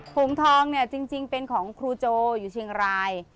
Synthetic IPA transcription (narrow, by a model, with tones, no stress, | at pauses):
pʰu˨˩˦mt̪ʰɔː˧ŋni˥˩ət͡ɕi˧ŋt͡ɕi˧ŋpe˧nkʰɔː˩˦ŋkʰɾuː˧t͡ɕoː˧juː˨˩t͡ɕʰi˧əŋɾaː˧j